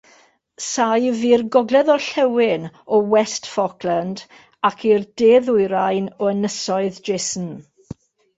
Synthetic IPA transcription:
sajvirɡɔɡlɛðɔɬɛwɪnɔwɛstfɔkʰlˠand | akʰirdeðʊɨɾajnɔənəsɔɨðd͡ʒesn̩

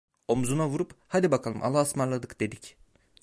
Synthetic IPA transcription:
o̞mzunavuɾuphad̪ibakʰalˠɯmʔa̰lˠaːsmaɾlˠad̪ɯkd̪e̞d̪ic

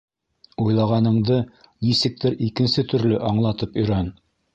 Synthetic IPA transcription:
ujlˠɑʁɑnɤ̆ɴd̪ɤ | nisɘ̆k̚t̪ɘɾikɘ̆nsɘt̪ɵ̆ɾlɘʔɑɴlˠɑt̪ɤpɵ̆jɾæn

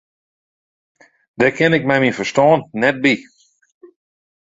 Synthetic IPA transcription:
dɛkʰɛnɪk̚mamifəstɔːnːɛt̚bi

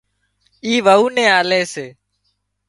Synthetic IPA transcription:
iːʋəuːnɛ̃ːaːleːseː

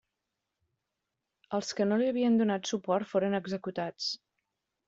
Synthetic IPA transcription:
əlˠskənoliəβ̞iənd̪unat̪supɔɾt̪foɾənəɡzəkut̪at͡s

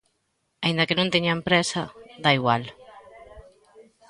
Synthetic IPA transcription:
aĩnd̪ɐkenõnt̪eɲampɾɛsɐðaiɣwal

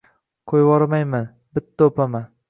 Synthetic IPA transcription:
qʰojwɒɾmajman | bɪt̪ʰːaopʰaman

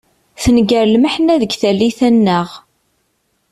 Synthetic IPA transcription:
θənɡəɾlməħnæðəɡθælːiθænːəʁ

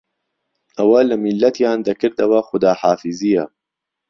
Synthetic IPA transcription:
ʔɐwɐlɨmilːɐt̪jaːnd̪ɐkʰɨɾd̪ɐwɐxʊd̪aːħaːfizijɐ

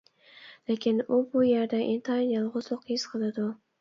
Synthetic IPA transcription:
lekʲɪnʊbʊjeɾd̪aʔɪnt̪ʰɑjɪnɑlˠʁʊzlˠoqɪsqʰɨlad̪ʊ

